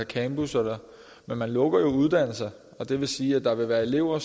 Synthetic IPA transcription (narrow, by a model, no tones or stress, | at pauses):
ækʰæmb̥usɒlɐ | menmænlɔ̽ɡ̥ɐjo̝uð̞ˠd̥æn̰l̩sɐ | ɒ̽d̥e̝ʋe̝siːæd̥ɑ̈ʋe̝ʋæːɐe̝le̝ʊ̰ɐ